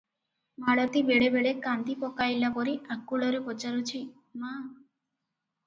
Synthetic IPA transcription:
maɽɔt̪ibeɽebeɽekand̪ipɔkajlapɔɾiʔakːuɭɔɾepɔt͡ʃaɾut͡ʃʰi | ma

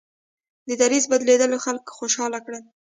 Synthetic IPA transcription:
d̪əd̪aɾizbad̪led̪əloxalkxoʃɑlakɽə

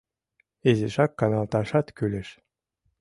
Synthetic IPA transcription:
ezeʃɑkːɑnɑlt̪ɑʃɑt̪kylʲɘ̆ʃ

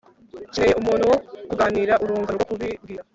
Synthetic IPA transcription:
ciɾejeumuːn̤huwokuɡaːniːɾaʔuɾuːŋɡaɾɡokuβibɡiɾa

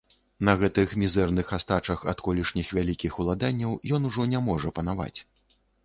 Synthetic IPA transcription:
nɐɣɛt̪ɨxmʲizɛrnɨxast̪at͡ʂɐxɐ̰t̪kɔlʲiʂnʲixvʲalʲikʲixulˠad̪anʲːɐwjɔnuʐɔnʲamɔʐɐpɐnava̰t͡sʲ

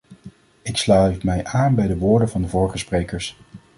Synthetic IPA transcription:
ɪkslœɥtmɛjʔaːnbɛjdəʋʊːɹdənvɑndəvɔːɹχəsprejkəɹs

